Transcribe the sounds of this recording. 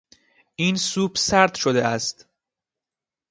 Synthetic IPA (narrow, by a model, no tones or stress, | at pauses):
ʔiːnsuːbsæɾd̪ʃod̪eæst̪